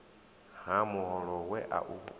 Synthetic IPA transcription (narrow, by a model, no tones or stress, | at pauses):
hamuhɔlɔɣwɛʔa̰ʔu